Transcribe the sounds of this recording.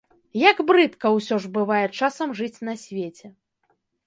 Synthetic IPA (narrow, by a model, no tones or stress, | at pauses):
jɐɡbɾɨt̪kɐwsʲɔʐbɨvajɛt͡ʂasɐmʐɨt͡sʲnɐsʲvʲet͡sʲɛ